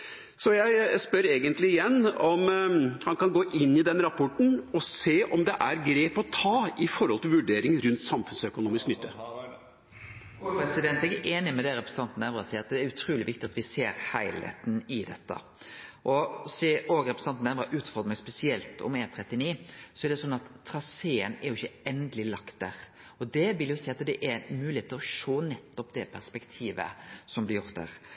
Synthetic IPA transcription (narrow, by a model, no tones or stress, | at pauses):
sɔjæɪspœɾeːɡənt̪lɪɪjɛnːɔmhɑnkɑnɡoːʔɪnːɪd̪ɛnɾɑpʰɔʈɳ̩ɔseːʔɔmd̪ɛʔæɾɡɾeːpɔt̪ʰɑːɪfɔɾhɔlt̪ɪlʋʉɖeːɾɪŋɾʉnt̪sɑmfʉnsœkʊnuːmɪsknʏt̪ːə | pɾɛsɪd̪ɛnt̪ɛɡɛʔeːnɪmɛd̪ɛɾɛpɾəsəɑnt̪n̩ɛʋɾɑsiːəɾɑt̪d̪ɛæɾʉt̪ʰɾuːlɪʋɪkt̪ɪɑt̪ʋɪseːɾhæɪlḛt̪nɪd̪ɛt̪ːə̰ | ʔɔsioːɡɾɛpɾɛsn̩ɑnt̪næʋɾɑʔʉːt̪fɔɾd̪ɾməspɛsɪɛlt̪ɔ̰meːnt̪ʰɾɛt̪ːɪniːsɔɛɾɖ̪ɛsɔnːɑt̪ʰːɾɑseːənæɾjʊɪçːəɛnd̪əlɪlɑkt̪̚d̪æːɾ | ɔd̪ɛʋɪljʊsiɪɑt̪d̪ɛʔæmʉːlɪheːt̪ʰːɪlɔʃoːnɛt̪ːɔpd̪ɛpʰæʁspɛkt̪ʰiːʋə̰sɔmblɪɾjʊɾt̪̚d̪æ̰ːɾ